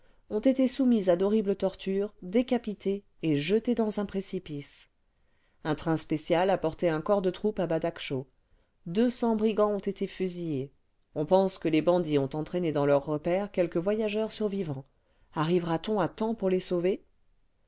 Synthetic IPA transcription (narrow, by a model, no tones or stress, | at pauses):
ɔ̃t̪et̪esumizad̪ɔʁiblət̪ɔʁt̪yːʁd̪ekʲapit̪ʰe | eʒət̪ed̪ɑ̃zɛ̃pχesipis | ɛ̃t̪χɛ̃spesjalapɔʁt̪eɛ̃kɔʁd̪ət̪χupabad̪akʃo | d̪øsɑ̃bʁiɡɑ̃ɔ̃t̪et̪efyzije | ɔ̃pɑ̃skəlebɑ̃d̪iɔ̃t̪ɑ̃t̪χened̪ɑ̃lœʁːəpɛʁkʲɛlkəvwajaʒœʁsyʁvivɑ̃ | aʁivʁat̪ɔ̃at̪ɑ̃puʁlesove